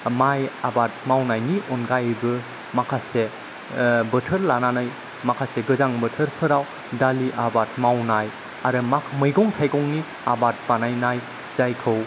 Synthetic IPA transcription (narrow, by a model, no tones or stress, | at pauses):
majabat̚mawnajniʔɔnɡajbɯ | makʰase | bətʰəɾlananɯj | makʰaseɡɯzaŋbətʰəɾpʰɯɾaw | daliʔabat̚mawnaj | aɾɯmamɯjɡɔŋtʰajkɔŋni | abat̚banajnaj | z̥ajkʰɯw